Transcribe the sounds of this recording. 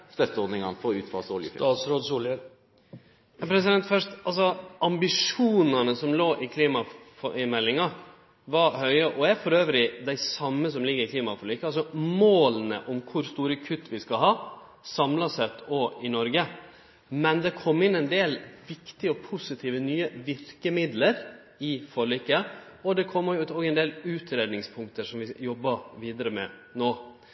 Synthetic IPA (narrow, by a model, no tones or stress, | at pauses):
st̪œt̪ɔd̪nɪŋɑnfɔʁʉːt̪fɑlsɔljəsɾoːd̪sulə | ɑpʰɾɛs̬ɪd̪ɛnt̪fœʂt̪ɑlsɔʔɑmbɪʂuːnɑnəsɔmloːʔɪkʰliːmɑfɔɪmɛlːɪŋɑ | ʋɑɾhœʏəʔɔɛæɾfɔɾøːʋɾɪd̪æɪsɑmːəs̬ɔmlɪɡːəɾɪkʰliːmɑfɔɾlyːkɑls̬ɔmoːlnə̰ʔɔmkʰʊɾst̪uːɾəkʰʉt̪ːʋɪskɑɦɑː | sɑmlɑsɛt̪ːoɪnɔɾɡə | mɛnd̪ɛkʰɔmːɪnɛɪnd̪eːlʋɪkt̪ɪəɔpʰʊsɪt̪ʰiːʋənyːəʋɪɾkəmɪd̪ləɾ | ɪfɔɭyːkə | ɔd̪ɛkʰɔmːəjʊʉːt̪oːɡɛɪnd̪eːlʉːt̪ʰɾeːd̪nɪŋspʰʊŋk̚t̪əʂɔmʋɪjɔbːɑʋiːd̪əɾəmɛ̰noː